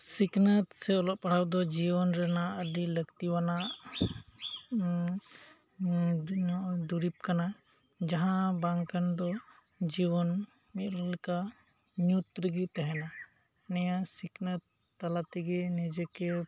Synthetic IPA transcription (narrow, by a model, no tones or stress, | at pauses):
siknət̪sɛɔlɔʔ̚paɽ̤awd̪ɔd͡ʒibɔnɾɛnaʔəd̪iləɡt̪iwanaʔ | d̪uɾip̚kana | d͡ʒaɦãbaŋkand̪ɔ | d͡ʒibɔn | mit̪llka | ɲut̪ɾəɡit̪ɛɦɛna | nɛjasiknət̪ː | alat̪iɡɛnid͡ʒɛkɛ